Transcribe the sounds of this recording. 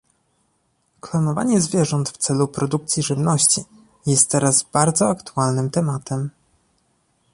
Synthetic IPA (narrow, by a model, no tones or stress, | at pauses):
klɔnɔva̰ɲɛzvʲjɛʐɔnt̪ft̪sɛlupɾɔd̪uk̚t̪sʲjiʐɘvnɔɕt͡ɕi | jɛst̪̚t̪ːɛɾazbaɾd̪zɔakt̪ualnɘmt̪ɛmat̪ɛm